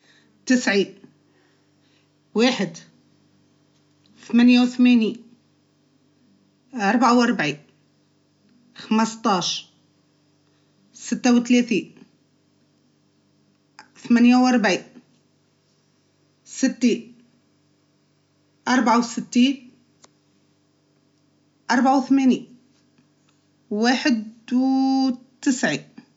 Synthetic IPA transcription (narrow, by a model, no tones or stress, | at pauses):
t̪ɪsʕi | waːħɪd̪ | θamanjawθmeːni | ʔɑɾˤbʕawʔɑɾˤbʕi | xamɑst̪ˤɑːʃ | sɪt̪ːawt̪leːθi | θmæːnjawʔɑɾˤbʕi | sɪt̪ːi | ʔɑɾˤbʕawsɪt̪ːiːn | ʔɑɾˤbʕawθmæni | waːħɪd̪wt̪ɪsʕi